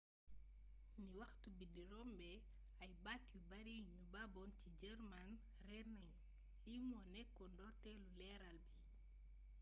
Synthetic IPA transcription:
niwɐxtubidiɾɔmbɛ | ajbatjubaɾiɲubabɔncid͡ʒɛɾman | rɛnaɲ | limɔnɛkːɔndɔɾtɛlulɛɾalbi

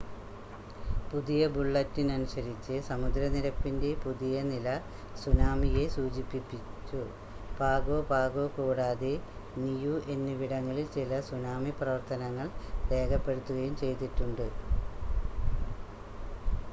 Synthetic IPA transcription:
puðijɐbuɭːɐtːinɐnusɐɾit͡ɕːɨsɐmud̪ɾɐniɾɐpːinde̞puðijɐnilɐ | sunaːmije̞suːd͡ʑipːipːit͡ɕːu | b̥ʱaːɡoːbʱaːɡo̞ːkuːɽaːðenijuʔe̞nːɨʋiɽɐŋːɐɭilt͡ɕilɐsunaːmiprɐʋɐrt̪ʰɐnɐŋːɐɭre̞ːkɐpːe̞ɽut̪ːuɣɐjumt͡ɕe̞jt̪iʈːuɳɖɨ

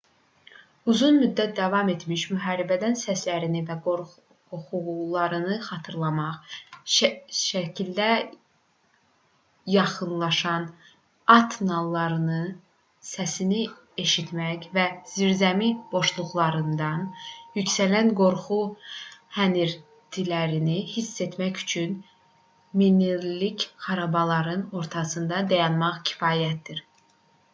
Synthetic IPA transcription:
uzunmyd̪ːæt̪̚d̪ɑvɑme̞t̪miʃmyɦɑːɾibæd̪ænsæslæɾinivæɡoɾ | χuɣlˠɑɾɯnɯχɑt̪ʰɯɾlˠɑmɑχ | ʃæcʰild̪æ | jɑχɯnlˠɑʃɑn | ɑt̪ʰnɑlˠːɑɾɯnɯ | sæsini | e̞ʃit̪mæcvæz̥iɾzæmib̥o̞ʃlˠuɣlˠɑɾɯnd̪ɑnjycsælænɡo̞ɾχu | hæniɾ | d̪̥ʰilæɾinihisːe̞t̪mæcy̥t͡ʃʰyn | miniɾlicχɑɾɑbɑlˠɑɾɯno̞ɾt̪ʰɑsɯnd̪ɑd̪æjɑnmɑχcʰi̥fɑːjæt̪̚d̪iɾ

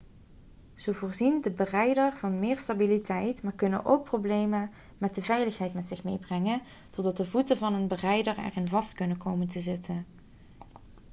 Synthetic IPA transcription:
z̥owvʊːɹzindəbərɛjdəɹv̥ɑnmɪːɹstabilitʰɛjtmaːɹkɵnə̰nʔo̰wk̚prowblejmən | mɛt̚dəvɛjləχɦɛjtmɛtsɪχmejbrɛŋən | tɔdɑt̚dəvutəvɑnənbərɛjdəɹɛ̰rɪnvɑstkɵnənkowməntəzɪtʰən

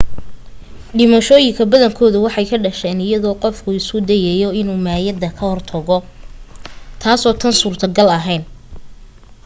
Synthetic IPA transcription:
ɖɪmɐʃɔːjɪŋkʰɐbɐðɐŋkʰɔːðʊwɑħɑjkʰɐɖɐʃɛːnɪjɐðɔːqɔfkʰʊɪskʊd̪ɛjɛjɔɪnuːmaːjɐd̪ɐkʰɐhɔrt̪ʰɐɣɔ | t̪ʰaːsɔːt̪ʰɐnsuːrt̪ʰɐɡɐlɐɦɛjn

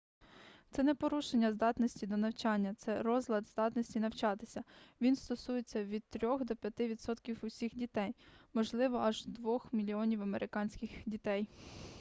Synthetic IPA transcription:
t̪sɛnɛpɔɾuʃenʲːɐzd̪ɑt̪nɔsʲtʲid̪ɔnɐwt͡ʃɑnʲːɐt̪sɛɾɔzlʲˠɐd̪zd̪ɑt̪nɔsʲtʲinɐwt͡ʃɑt̪ɪsʲɐʋʲinst̪ɔsujet͡sʲːɐʋʲid̪̚t̪ɾʲɔxd̪ɔpʲjɐt̪ɪʋʲid̪sɔt̪kʲiwʊsʲixdʲit̪ɛjmɔʒlˠɪʋɔɐʒd̪ʋɔxmʲilʲiɔnʲiwɐmeɾʔɪkɑnʲsʲkʲɪxdʲit̪ɛj

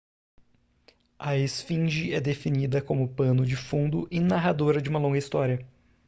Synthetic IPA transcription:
ɐesfĩʒiɛd̪efinid̪ɐkõmʊpɐ̃nʊd͡ʒɪfũd̪ʊʔɪnaɦad̪oɾɐd͡ʒɪũmɐlõɡɐist̪ɔɾiɐ

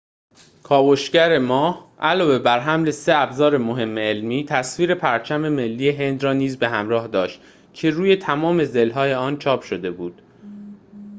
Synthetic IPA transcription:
kʰɒːboʃɟæɾemɒːhʔælɒːve̞bæɾɦæmle̞se̞æbzɒːɾe̞moɦe̞mːeːlmiːt̪ʰæsviːɾe̞pʰæɾt͡ʃʰæme̞me̞lːiːje̞ɦe̞nd̪rɒːniːzbe̞ɦæmɾɒːhd̪ɒːʃt̪ | cʰe̞ɾuːje̞t̪ʰæmɒːme̞ze̞lɦɒːje̞ɒːnt͡ʃʰɒːpʃo̞d̪e̞buːd̪̥

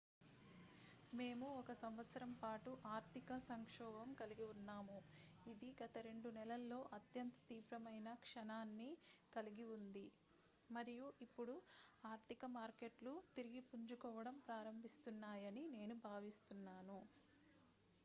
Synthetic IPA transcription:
me̞ːmuɔkɐsɐmʋɐt̪sɐɾɐmpaːʈuʔaːɾt̪ʰikɐsɐŋkʂɔːbɐmkɐliɡiunːaːmuid̪iɡɐt̪ɐɾe̞ɳɖunɛlɐlːo̞ːʔɐt̪jɐnt̪ɐ̥t̪iːʋɾɐmɐjnɐkʂɐnaːnːikɐliɡiund̪i | mɐɾijuʔipːuɽuaːɾt̪ʰikɐmaːɾke̞ʈlut̪iɾiɡipuɲd͡ʒukɔːʋɐɽɐmpɾaːɾɐmbʱist̪unːaːjɐnine̞ːnubʱaːʋist̪unːaːnu

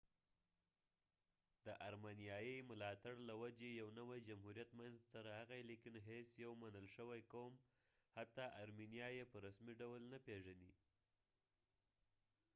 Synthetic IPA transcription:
d̪̥əʔaɾmenjɑjəjmʊlɑt̪aɽlawad͡ʒejawnəwajd͡ʒamɦuɾjat̪manzt̪aɾahaɣajlikɪnɦesjawmanəlʃəwajkawəm | hat̪ɑʔaɾminijɑjepəɾasmiɖawlnapeʒani

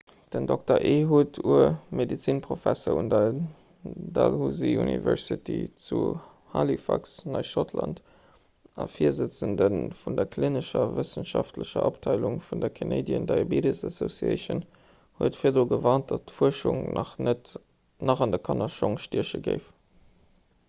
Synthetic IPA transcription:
d̥əndɔk̚tɐʔeɦuːtʰuəmedit͡sinpʁofæsoundɐ | dɑlhuziunḭvɛɹsitḭt͡su | halifɑksnɑɪʃotʰlɑnt | ɑfiɐzət͡səndənfundɐkʰlinəʃɐvəsənʃɑftʰləʃɐ̰ʔoptʰɑɪluŋfundɐkʰeneɪdjəndɑɪobedəsɑsosiə̰ɪʃən | huətfiːɐdoːɡəvɑːnt̚d̥ɑttfuəʃuŋnʔɑχnət | nɑχɑndɐkʰɑnɑʃoŋʃtiɐʃəɡəɪf

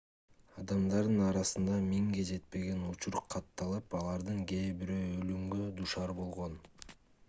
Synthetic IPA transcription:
ɑd̪ɑmd̪ɑɾd̪ɯnɑɾɑsɯnd̪ɑmiŋɡed͡ʒe̞t̪̚pe̞ɡe̞nut͡ʃuɾqʰɑt̪ːɑlˠɯpɑlˠɑɾd̪ɯŋɡe̞ːbiɾøːølymɡød̪uʃɑɾbo̞lˠʁo̞n

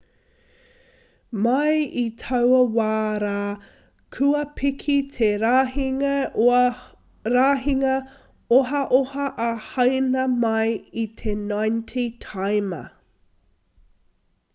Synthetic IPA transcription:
mɐjitʰɐwɐwaːɾaː | kʰʉɐpʰikʰit̪ʰeɾaɦiŋɐ | ɾaːɦiŋɐ | oɦɐʔohɐʔːhɐjnɐmɐjit̪ʰenajntʰitʰajmɐ̰

